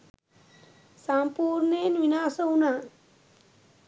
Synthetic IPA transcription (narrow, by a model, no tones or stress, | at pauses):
sampuːɾnenʋinaːsowuna